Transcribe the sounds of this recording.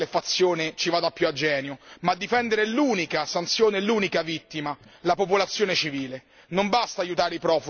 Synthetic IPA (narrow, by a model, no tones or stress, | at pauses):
lefat̪sːjoːnet͡ʃivaːd̪apːjuad͡ʒːɛːnjomad̪ːifɛnd̪eɾeluːnikasant̪sjoːneluːnikavit̪ːimalapopolat̪sːjoːnet͡ʃiviːle | nombast̪aːjut̪aːɾeipɾɔːfu